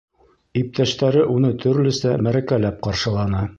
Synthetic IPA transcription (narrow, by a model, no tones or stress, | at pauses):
ip̚t̪ʰæʃt̪æɾɘʔunɤt̪ʰɵ̆ɾlɵ̆sæmæɾækælæp̚qɑɾʃɤ̆lˠɑnɑ